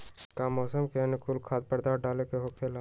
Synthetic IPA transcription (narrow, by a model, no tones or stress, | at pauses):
kamɔːsəmkenɪkʊlkʰaːt̪̚pəɾd̪aːɾɖaːlekeɦoːkʰelaː